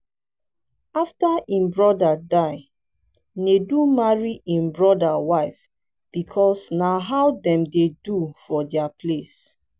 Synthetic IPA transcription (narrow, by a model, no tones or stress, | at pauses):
aftaʔĩmbɹɔdadaɪ | nedumaɹiʔĩmbɹɔdawaɪf | b̥ikʰɔsnaɦawdɛ̃mdedufɔdɛapʰles